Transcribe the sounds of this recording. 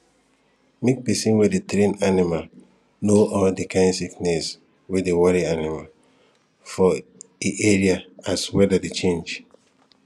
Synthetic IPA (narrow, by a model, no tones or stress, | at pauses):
mek̚pɛsĩnwedetɾẽnanimal | noʔɔldikʰãɪ̃ndsiknɛs | wedewɔɾianimal | fɔiʔeɹiaaswɛdadet͡ʃẽnd͡ʒ